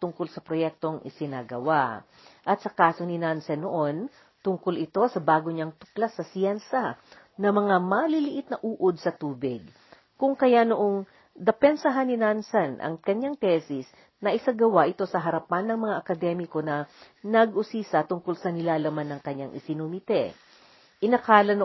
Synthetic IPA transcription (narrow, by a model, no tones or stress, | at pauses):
t̪ʊŋkolsɐpɾojɛk̚t̪o̞ŋʔɪ̰sɪnaɡɐwa | ʔɐt̪̚sɐkaːso̞nɪnansɐnːoʔo̞n | t̪ʊŋkolʔɪt̪o̞sɐbaːɡoɲɐŋt̪ʊ̥klassɐsɪjɛnsɐ | nɐmɐŋamaːlɪlɪʔɪt̪̚nɐʔuːʔod̪̚sɐt̪uːbɪɡ̚ | kʊŋkɐjanoʔoŋ | d̪ɛpɛnsɐɦanːɪnansɐnʔɐ̰ŋkɐɲaŋt̪ɛːsɪs | nɐʔɪsɐɡɐwaʔɪt̪o̞sɐɦɐɾɐpanːɐŋmɐŋaʔɐkɐd̪ɛːmɪko̞nɐ | nɐɡʔʊsiːsɐt̪ʊŋkolsɐnɪlaːlɐmanːɐŋkɐɲːaŋʔɪ̰sɪnumɪt̪ɛ̰ | ʔɪnɐkaːlɐno